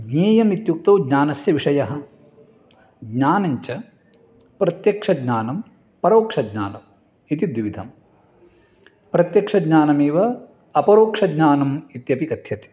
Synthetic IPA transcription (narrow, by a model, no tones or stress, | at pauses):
ɡɲeːjɐmit̪juk̚t̪ɐwɡɲaːnɐsjɐʋiʂɐjɐɦɐ̆ | ɡɲaːnɐɲt͡ʃɐ | pɾɐt̪jɐkʂɐɡɲaːnɐm | pɐɾoːkʂɐɡɲa̰ːnɐm | it̪id̪ʋiʋid̪ʱɐm | pɾɐt̪jɐkʂɐɡɲaːnɐmeːʋɐ | ɐpɐɾoːkʂɐɡɲaːnɐmit̪jɐpikɐt̪ʰjɐt̪i̥